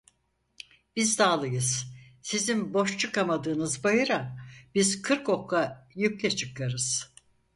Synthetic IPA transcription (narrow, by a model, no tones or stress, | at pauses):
b̥izd̪aːlˠɯjɯz̥sizimbo̞ʃt͡ʃʰɯkamad̪ɯːnɯzbajɯɾab̥iz̥kʰɯɾko̞kajyclʲɛt͡ʃʰɯkʰaɾɯz̥